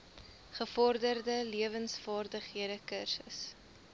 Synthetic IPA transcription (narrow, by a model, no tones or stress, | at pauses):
χəfɔrdərdəliəvənsfɑːrdəχiədəkərsəs